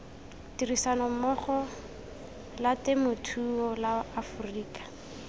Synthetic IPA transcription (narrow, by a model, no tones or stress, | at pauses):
tirisanɔmɔχɔ | latɪmʊtʰuɔlaafuriːkḁ